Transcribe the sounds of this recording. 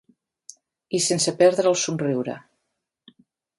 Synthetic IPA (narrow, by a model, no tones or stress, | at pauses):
isensəpɛɾðɾəlˠsunriwɾə̰